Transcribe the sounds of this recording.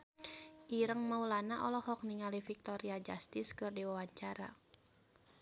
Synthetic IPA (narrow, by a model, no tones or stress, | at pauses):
ʔiɾəŋmaulanaʔɔ̰lɔhɔk̚niŋalifik̚t̪ɔɾiad͡ʒast̪ɪskɨrdiwawaɲt͡ʃaɾa̰